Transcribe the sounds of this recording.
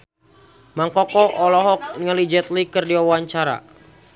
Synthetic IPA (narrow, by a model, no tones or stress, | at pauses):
maŋkɔkɔʔɔlɔɦɔk̚niŋalid͡ʒɛt̪likɨrdiwawaɲt͡ʃaɾa̰